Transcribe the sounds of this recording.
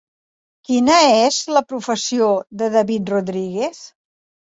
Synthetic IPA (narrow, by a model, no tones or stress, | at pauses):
kinəezləpɾufəsioðəðəβit̪̚ruðɾiɣes